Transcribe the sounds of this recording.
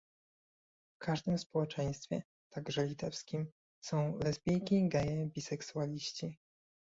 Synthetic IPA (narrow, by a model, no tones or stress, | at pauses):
fkaʐd̪ɘmspɔwɛt͡ʂɛj̃st̪fʲɛ̰ | t̪aɡʐɛlʲit̪ɛfskʲim | sɔ̃w̃lɛzbʲjejkʲiɡɛjɛbʲisɛksualʲiɕt͡ɕi